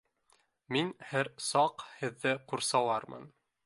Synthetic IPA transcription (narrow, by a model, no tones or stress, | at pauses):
minhæɾsɑqhɘ̆ðːɘquɾsɑlˠɑɾmɤ̰n